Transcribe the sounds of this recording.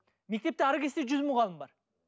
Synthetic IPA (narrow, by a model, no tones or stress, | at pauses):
mek̚ʲt̪e̞p̚t̪ɪɑɾəkʲest̪eʒʏzmʊʁɑlˠəmbɑɾ